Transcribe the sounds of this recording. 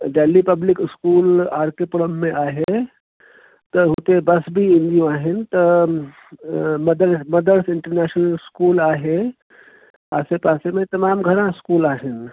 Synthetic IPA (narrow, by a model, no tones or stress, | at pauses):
ɖeːlːipɐblɪkɪskuːlaːɾkepʊɽəmːẽʔaːɦe | t̪ɐɦʊt̪ebɐsbʱiɪ̃nd̪ijõaːɦɪnt̪ɐ | mɐd̪əɾmɐd̪əɾsɪ̃ɳʈəɾnɛːʃnəlɪskuːlaːɦe | paːsepaːsemẽt̪ɐmaːmɡʱɐɾãɪskuːlaːɦɪn